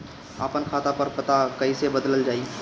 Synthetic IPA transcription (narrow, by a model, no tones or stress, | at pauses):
a̰ːpənkʰaːt̪apɐɾpɐt̪akɐisebəd̪ələld͡ʒaːi